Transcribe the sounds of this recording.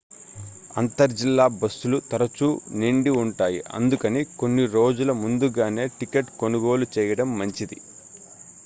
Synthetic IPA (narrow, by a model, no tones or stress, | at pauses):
ɐnt̪ɐɾd͡ʒilːaːbɐsːulut̪ɐɾɐt͡ʃuːniɳɖiuɳʈaːjḭʔɐ̰nd̪ukɐniko̞nːiɾo̞ːd͡ʒulɐmund̪uɡaːne̞ːʈikeʈko̞nuɡo̞ːlut͡ʃɛːjɐɽɐmːɐɲt͡ʃid̪ḭ